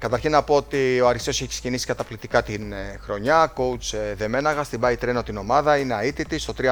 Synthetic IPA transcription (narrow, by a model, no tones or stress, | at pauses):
kɐt̪ɐɾçinːɐpo̞ot̪io̞ɐɾiso̞se̞çise̥cinisi̥kɐt̪ɐplit̪ikɐt̪inxɾo̞ɲɐko̞ut͡sðe̞me̞nɐɣɐst̪ibɐit̪ɾe̞no̞t̪ino̞mɐðɐine̞ɐit̪it̪ist̪o̞t̪ɾi